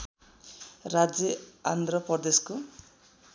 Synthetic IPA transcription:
rad͡zjʌa̰nd̪ʱrʌpʌrd̪esko

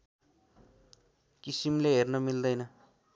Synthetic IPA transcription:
kisimleɦernʌmild̪ʌjnʌ

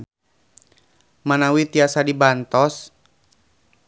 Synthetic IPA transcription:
manawit̪iasadibant̪ɔs

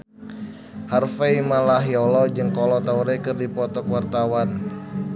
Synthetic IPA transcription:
harfeimalaɦjɔlɔd͡ʒɨŋkɔlɔt̪auɾɛkɨrdipɔt̪ɔkwart̪awan

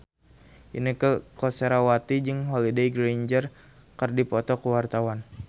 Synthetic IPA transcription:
ʔḭnikəkɔseɾawat̪id͡ʒɨŋɦolidejɡɾejɲd͡ʒər | kərdipɔt̪ɔkəwart̪awan

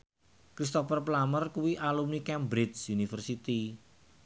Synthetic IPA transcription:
kɾist̪ɔfərplamərkuwiʔalumnikɛmbɾisunifərsit̪i

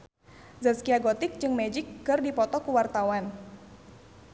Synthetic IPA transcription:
zaskiaɡɔt̪ɪk̚d͡ʒɨŋmɛd͡ʒɪkːɨrdipɔt̪ɔkuwart̪awan

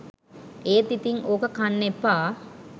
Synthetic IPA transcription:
eːt̪it̪iŋoːkəkanːepːaː

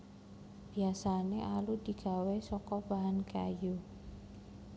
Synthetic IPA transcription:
b̥i̤asaneʔalud̪̥i̤ɡ̥a̤wesɔkɔb̥aɦanka̰ju

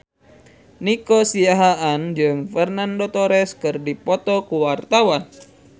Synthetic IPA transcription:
nikɔsiaɦaʔand͡ʒɨŋfɛrnandɔt̪ɔɾɛskɨrdipɔt̪ɔkuwart̪awan

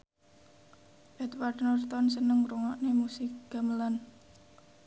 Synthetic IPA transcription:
ʔɛt̪warnɔrt̪ɔnsənəŋruŋɔʔnemusɪk̚ɡ̥aməlan

